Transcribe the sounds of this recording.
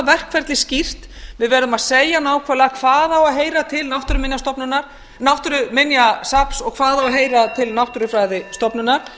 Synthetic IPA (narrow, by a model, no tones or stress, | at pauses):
vɛr̥kfɛɾt̪lɪscir̥t̪vɪðvɛːɾðʏmaðseːjanaːwkʰvɛɾlaakʰv̥aːðawaðɦeːjɾat̪ʰɪlnawht̪ʏɾʏmɪnjast̪ɔpnʏnːaɾ̥ | nawht̪ʏɾʏmɪnjasapsɔɣkʰv̥aːðawaɦeːjɾat̪ʰɪlnawht̪ʏɾʏfɾaːjðɪst̪ɔpnʏnaɾ̥